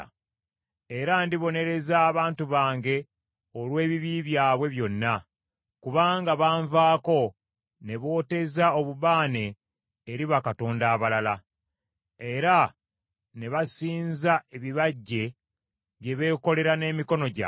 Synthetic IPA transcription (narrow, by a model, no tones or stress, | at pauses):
e̞ɾandiβo̞ne̞ɾe̞zaːβaːntuβaːŋɟe̞ | o̞lwe̞ːβiβiβjaːβwe̞βjo̞nːa | kuβaːŋɡaβaːɱvaːko̞ | ne̞βo̞ːte̞zaoβuβaːne̞ː | ɾiβakato̞ːndaːβalala | e̞ɾa | ne̞βasiːnzae̞βiβaɟːe̞ | βje̞βe̞ːko̞le̞ɾane̞ːmiko̞no̞ɟa̰